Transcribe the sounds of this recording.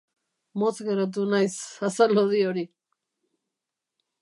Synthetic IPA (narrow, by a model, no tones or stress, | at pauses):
mot͡sɣeɾat̪̬unajsasaloðioɾi